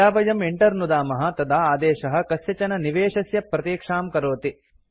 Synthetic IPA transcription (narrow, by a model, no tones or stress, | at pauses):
aːʋɐjɐmeɳʈɐɾnud̪aːmɐɦɐt̪ɐd̪aːaːd̪eːʃɐɦɐ̆kɐsjɐt͡ʃɐnɐniʋeːʂɐsjɐpɾɐt̪iːkʂaːmkɐɾoːt̪i